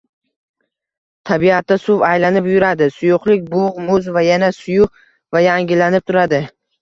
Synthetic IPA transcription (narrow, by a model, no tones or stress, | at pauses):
t̪ʰabiat̪̚ːasʊvajlanɪpjʊɾad̪ɪsʊjʊqlɪk̚ʲbʊʁmʊzvajanasʊjʊq | vajaŋʲɪlanɪp̚t̪ʰʊɾad̪ɪ